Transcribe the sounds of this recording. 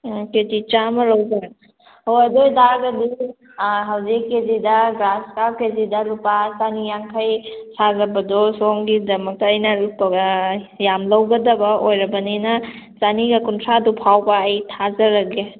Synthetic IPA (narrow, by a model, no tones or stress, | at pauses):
ketit͡ʃamɐlawzaŋ | hojɐdojdaɡɐdi | ɦawzikːezidaɡaskakezidaɾupasanijaŋkʰajsazɐbɐdɔsɔŋɡidɐmɐk̚tɐːjnɐlupːɐɡɐjamlɐwɡɐdɐbɐojɾɐbɐninɐ | t͡ʃaniɡɐkuntʰɾadupʰawbɐːjtʰazɐɾɐɡe